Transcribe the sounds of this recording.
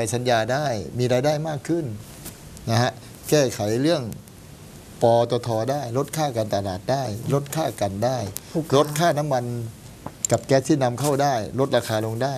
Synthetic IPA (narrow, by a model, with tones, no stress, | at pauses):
pa˨˦jsa˨˦njaː˧daː˥˩jmiː˧ɾaː˧jdaː˥˩jmaː˥˩kʰːɯ˥˩n | na˦˧ha˧˥ʔ | kɛː˥˩kʰa˩˦jɾɯ˥˩əŋ | pɔː˧t̪ɔ˧t̪ʰɔː˧daː˥˩jlo˦˥t̪̚kʰaː˥˩kaː˧nt̪a˧laː˨˩t̪̚daː˥˩jlo˦˥t̪̚kʰaː˥˩ka˨ndaː˥˩jlo˦˥t̪̚kʰaː˥˩na˦˥mːa˧n | ka˨˩p̚kɛː˦˥˩t̪ʰiː˥˩na˧mkʰa˥˩wdaː˥˩jlo˦˥t̪̚ɾaː˧kʰaː˧lo˧ŋdaː˥˩